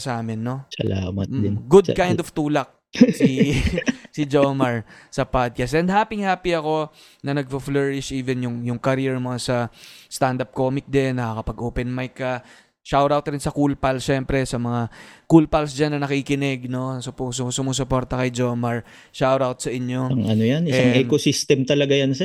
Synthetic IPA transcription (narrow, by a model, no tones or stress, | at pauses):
saːmɛnːo̞sɐlamɐɡʊd̪̚kaj̃nd̪ov̥t̪uːlɐk̚ | si | sɪd͡ʒomɐɹsɐpad̪̚kasɛnd̪̚haːpɪŋhaːpiɐko̞ | nɐnɐɡ̚fɐflɛɹɪʃʔiːvɛnjʊŋjʊŋkɐɾiɛɹmoŋasɐst̪and̪ɐp̚ko̞ːmɪk̚d̪ɛnːɐkɐkɐpɐɡʔoːpɛnmajkːɐ | ʃawɾawt̪ɾɪnsɐkulpɐlʃɛmpɾɛsɐmɐŋakulpɐlsd͡ʒanːɐnɐkikɪnɛɡ̚no̞sʊposʊsʊmusʊpo̞ɾt̪ɐkɐjd͡ʒomɐɹ | ʃawɾawt̪̚sɐʔɪɲo̞ɐŋʔɐnojanʔɪsɛaʔɛkosist̪ɛmt̪ɐlɐɡajansɛ